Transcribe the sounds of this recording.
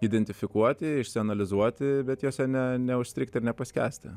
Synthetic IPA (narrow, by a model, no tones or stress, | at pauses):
iːd̪ʲɛnʲt̪ʲɪfʲɪkuɔt̪ʲɪɪʃʲsʲɪɐnɐlʲɪzuɔt̪ʲɪbʲɛt̪joːsʲɛnʲɛnʲɛʊʃʲsʲt̪ɾʲɪk̚t̪ʲɪɾnʲɛpɐsʲkʲæ̰ːsʲt̪ʲɪ